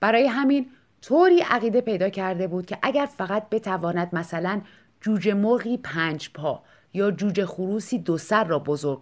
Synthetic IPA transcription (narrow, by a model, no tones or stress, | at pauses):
b̥æɾɒːje̞ɦæmiːn | t̪ʰoːɾiːʔæɣiːd̪e̞pe̞jd̪ɒːcʰæɾd̪e̞buːd̪̥̚cʰe̞ʔæɟæɾfæɣæt̪̚be̞t̪ʰævɒːnæd̪̚mæsælæn | d͡ʒuːd͡ʒe̞moɾɣiːpʰæːnd͡ʒpʰɒː | jɒːd͡ʒuːd͡ʒe̞xuɾuːsiːd̪osæɾːɒːbo̞zoɾɡ̚ʰ